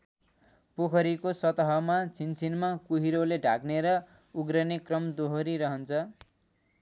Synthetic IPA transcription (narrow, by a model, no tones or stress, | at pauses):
pokʰʌɾikosʌt̪ʌɦʌmat͡sʰint͡sʰinmakuɦiɾoleɖʱa̰kneɾʌ | uɡɾʌnekrʌmd̪oɦoɾiɾʌɦʌnt͡sʰʌ